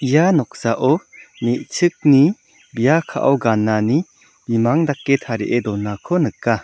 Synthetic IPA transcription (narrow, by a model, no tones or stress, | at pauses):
ijanɔk̚saʔɔmeʔt͡ʃʰɯk̚ni | bijakʰa̰ʔawɡanːani | b̥imaŋd̪akːet̪ʰaɾiʔed̪ɔnːakʰɔnɯka